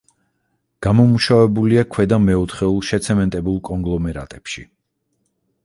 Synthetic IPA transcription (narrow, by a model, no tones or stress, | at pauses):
ɡ̥amɔmuʃavɛbuliakʰwɛd̪amɛɔt̪χɛulˠʃɛt̪sʰɛmɛnt̪ʼɛbulˠkʼɔŋɡlˠɔmɛɾa̰t̪ʼɛpʃḭ